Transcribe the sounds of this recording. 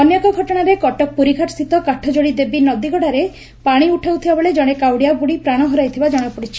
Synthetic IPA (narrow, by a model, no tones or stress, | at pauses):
ɔnjɔkɔɡʱɔʈɔɽ̃aɾekɔʈɔk̚puɾikʰaʈst̪ʰit̪ɔkaʈʰɔd͡ʒoɽid̪ebinɔd̪iɡɔɽaɾe | paɽ̃iuʈʰawt̪ʰibabɔled͡ʒɔɽ̃ekawɽijabuɽipɾaɽ̃ɔɦɔɾajt̪ʰibad͡ʒɔɽ̃ɔpɔɽit͡ʃʰi̥